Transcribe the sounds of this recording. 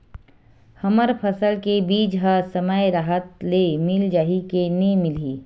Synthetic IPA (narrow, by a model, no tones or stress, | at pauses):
həməɾpʰəsəlkebiːd͡ʒɦəsəməjɾaːɦət̪lemɪld͡ʒaːɦikenemɪliː